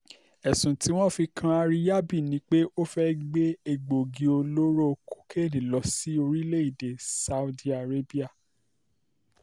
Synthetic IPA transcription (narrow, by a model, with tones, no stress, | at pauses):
ɛ˨sũ˨ti˨˦w̃ɔ̃˦˨fi˧kʰã˧a˧ɾi˦ja˦bi˦˨nĩ˨˦k͡pe˦ʔo˦fɛ˦ɡ͡be˦e˨ɡ͡bo˨ɡi˨o˧lo˦ɾo˦˨ku̥˦kʰe˦˨nĩ˨lɔ˨˦si˦o˧ɾi˦le˦i˦˨de˨sa˧u˦di˦a˨ɾe˦bi˦a˦˨